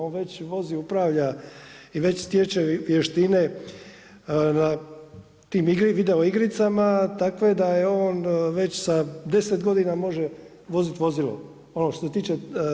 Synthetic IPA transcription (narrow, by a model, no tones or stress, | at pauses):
oːnʋet͡ɕʋo̞ziupɾaːʋʎaiʋe̞t͡ɕst̪jet͡ʃeʋjeʃt̪ine̞ | na | t̪iːmiɡɾiʋid̪e̞o̞iɡɾit̪samat̪akʋe̞d̪ajeo̞ːnʋe̞t͡ɕsad̪e̞set̪ɡo̞d̪inamo̞ʒe | ʋo̞zit̪ʋo̞zilo̰ | o̞noʃt̪oset̪iːt͡ʃe